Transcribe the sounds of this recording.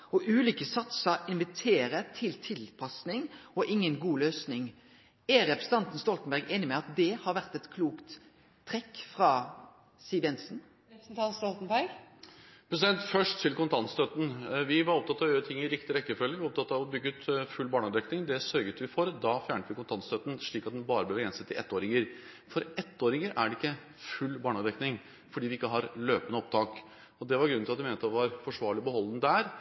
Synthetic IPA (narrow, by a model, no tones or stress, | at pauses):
ɔʔʉːlʏːkəsɑt̪səɾɪnʋɪt̪ʰeːɾət̪ʰɪlt̪ʰɪlpʰɑsnɪŋɔʔɪŋːənɡuːløːsnɪŋ | æɾɛpɾsət̪ʰɑnt̪n̩st̪ɔlt̪n̩bæɾɡeːnɪmɛɑt̪̚d̪ɛhɑɾʋæʁt̪ɛt̪kʰluːkt̪ʰː | ɾɛkːfɾɑː | siːʋɛnsn̩ | n̩t̪ʰɑnst̪ɔlt̪n̩bæɾɡ | pʰɾɛsɪd̪ɛnt̪fœʂʈ̪ʰːɪlkʊnt̪ʰɑnst̪ʰœt̪n̩ʋɪʋɑɾɔp̚t̪ɑt̪ːɑʋjøːɾət̪ʰɪŋːɪɾɪkt̪ɪɾɛkːəfœlːɪŋɪɔpt̪ɑt̪ːɑʋɔbʏɡːəʉːt̪fʉlbɑːɳɑd̪ɛknɪŋd̪ɛsœɾɡət̪ʋɪfɔɾd̪ɑfjæːɳʈəʋɪkʰʊnt̪ɑnst̪øːt̪n̩ʂɭiːkɑt̪d̪ɛnbɑːɾəblɛʋɛːnsɛt̪ːɪʔɛt̪ːoːɾɪŋəɾ | fɔɾɛt̪ːoːɾɪŋəɾʔæɖɛɪkːə | fʉlːbɑːɳɑd̪ɛknɪŋ | fɔɖiːʋɪɪkːəɦɑɾløːpənəɔp̚t̪ʰɑːk | ɔd̪ɛʋɑɾɡɾʉnːʰɪɑt̪d̪ɛmeːnət̪ʋɑɾfɔʂʋɑːɭɪbəɦɔlːənəd̪æɾ